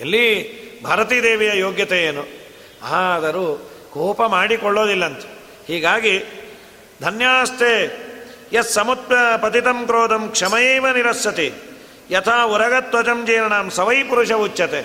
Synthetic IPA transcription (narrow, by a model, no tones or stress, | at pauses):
ɐlːibʱaːɾɐt̪iːd̪eːʋijɐjoːɡjɐt̪ejeːnu | aːɐd̪ɐɾukoːpɐmaːɽikɔɭːoːd̪ilːɐnt̪ɐ̥ | hiːɡaːɡi | d̪ʱɐnjaːɐst̪ʰeː | jɐsːɐmut̪ɐpɐt̪it̪ɐmkɾoːd̪ɐmkʂɐmɐjeːʋɐniɾɐsjɐt̪i | jɐt̪ʰaːuɾɐɡɐt̪ʋɐt͡ʃɐmd͡ʒeːɾɐɳaːmsɐʋɐjpuɾuʂɐʋut͡ʃːɐt̪e